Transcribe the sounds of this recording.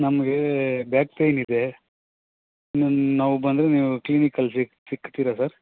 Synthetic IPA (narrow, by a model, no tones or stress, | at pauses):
nɐmɐɡebjaːk̚pejnid̪e̞ | nunaːʋubɐnd̪ɾeniːʋukliːnikɐlsi | sikːt̪iːɾasaɾ